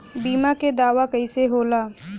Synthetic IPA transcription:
biːmaked̪aːʋakɐiseɦoːlaː

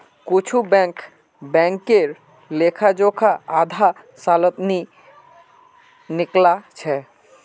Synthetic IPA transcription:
kʊt͡ʃʰubɛ̃ŋk | bɛ̃ŋkeɾ | lekʰad͡ʒokʰaad̪ʱa | saːlət̪ni | nɪklat͡ʃʰɛ

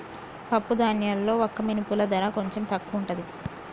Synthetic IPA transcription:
pɐpːud̪aːnjaːlːo̞ːɔkːɐminipulɐd̪ɐɾaːko̞ɲt͡ʃe̞mt̪ɐkːuːɳʈɐd̪i

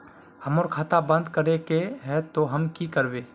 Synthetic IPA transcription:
hɐmoːɾkʰaːt̪abɐ̃nd̪kəɾekeɦɛt̪oɦɐmkikəɾweː

